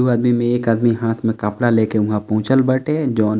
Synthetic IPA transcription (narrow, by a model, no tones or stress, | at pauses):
uaːd̪mimẽeːkaːd̪miɦaːt̪ʰmẽkɐplaleːkeʊɦãpɔ̃ʊ̃t͡ʃəlbəʈed͡ʒɔːn